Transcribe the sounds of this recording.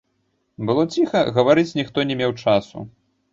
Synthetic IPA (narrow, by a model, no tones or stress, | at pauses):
bɨlˠɔt͡sʲixɐɣɐvaɾɨt͡sʲnʲixt̪ɔnʲɛmʲewt͡ʂasṵ